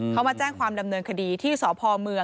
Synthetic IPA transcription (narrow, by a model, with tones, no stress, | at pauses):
kʰa˦˥wmaː˧t͡ɕɛː˥˩ŋkʰwaː˧mda˧mnɤː˧nkʰa˧diː˧t̪ʰiː˥˩sɔː˩˦pʰɔː˧mɯ˧ə